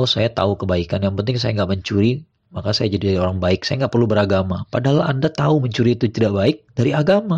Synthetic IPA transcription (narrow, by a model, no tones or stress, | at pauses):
sajat̪a̰ukəbaikanjaŋpənt̪ɪŋs̬ajaŋɡaʔməɲt͡ʃuɾi | makasajad͡ʒadidaɾioɾaŋbaɪksajaŋɡaʔpərlubəɾaɡamapadaɦalandat̪auməɲt͡ʃuɾiːt̪ut̪idabaɪk̚daɾiaɡama